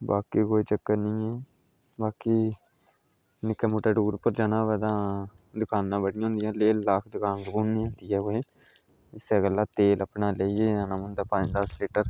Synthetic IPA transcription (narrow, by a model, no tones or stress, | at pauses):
baːkikoːiːt͡ʃəkːəɾnĩːɛː | baːkiː | nɪkːəmuːʈəɖuːɾpəɾd͡ʒaːnãːbɛːd̪ãː | d̪ʊkʰaːnːãːbəɽijãːnd̪ijãːleːlːaːkʰd̪ʊkʰaːnsəkuːnːĩːɦõːnd̪iːɛːkoːeː | ɪseɡəlːaːt̪eːləpnaːleːieːãːnãːmənd̪aːpə̃d͡ʒd̪əsliːʈəɾ